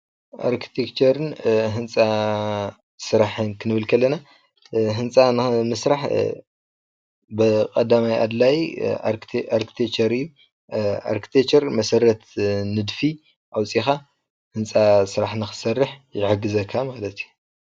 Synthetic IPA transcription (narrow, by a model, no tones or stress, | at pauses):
ʔa̰ɾkʰi̥t̪ʰekt͡ʃʰɐɾɨnɦɨnt͡sʼa | sɨɾaħɨnkʰɨnɨβɨlkʰɐlːɐna | ɦɨnt͡sʼanɨmɨsɾaħ | bɨkʼɐd̪amajʔa̰d̪laj | aɾkʰi̥t̪ʰekt͡ʃɐɾɨjːu | a̰ɾkʰi̥t̪ʰekt͡ʃɐɾmɐsɐɾɐt̪nɨd̪fi | ʔawt͡sʼixa | hɨnt͡sʼasɨɾaħnɨxɨ̥sɐrːɨħjɪʕɨɡɨzɐkʰːamalɐt̪ju